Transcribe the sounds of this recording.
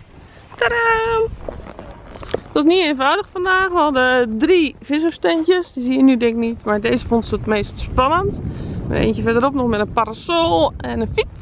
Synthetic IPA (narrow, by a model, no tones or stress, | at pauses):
tərə | tɔsnienfɔwdəxfandaːxʋɔlˠdədrifɪs̬əstɛntjəsdisiənydɪŋk̚nitmaɹdeːzəfontsətmeːstspanəntḛːntjəfɛdəropnɔxmɛtənparasolˠɛnənfit